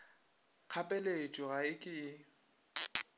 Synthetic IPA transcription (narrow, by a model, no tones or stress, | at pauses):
q͡χʰapʼɛlet͡ʃʼɔɣaɪkʼɪ